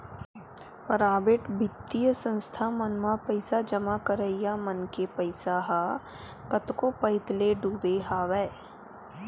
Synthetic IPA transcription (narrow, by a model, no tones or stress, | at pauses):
pəɾaːbɪʈbʱɪt̪ːijəsə̃nst̪ʰamənmapəɪsad͡ʒəmakəɾəijamənkepəɪsaɦa | kɐt̪kopɐɪt̪leɖuːbeɦaːʋɛː